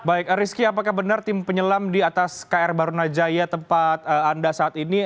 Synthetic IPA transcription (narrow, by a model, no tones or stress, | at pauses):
baɪk̚ɾiskiapakahbənart̪ɪmpəɲəlamdiat̪askaɛrbaɾunad͡ʒajat̪əmpat̪̚əandasaːt̪ini